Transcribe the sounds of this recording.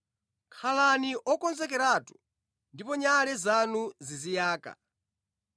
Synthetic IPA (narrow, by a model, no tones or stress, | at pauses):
kʰalaniʔɔkɔnzɛk̬ɛɾatu̥ | ndipɔɲalɛzanuzizijaːka̰